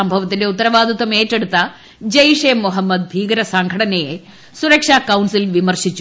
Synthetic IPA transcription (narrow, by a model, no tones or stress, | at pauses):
ɐmbʱɐʋɐt̪̬ːinde̞ut̪ːɐɾɐʋaːd̪ʱɐt̪ːwɐmeːtːeɽut̪ːɐ | d͡ʑɐjʂeːmːuɦɐmːɐd̪̚bʱiːɡɐɾɐsɐŋɡʱɐɽɐnɐje | suɾɐkʂaːkɐwɳsilʋimɐrɕit͡ɕːu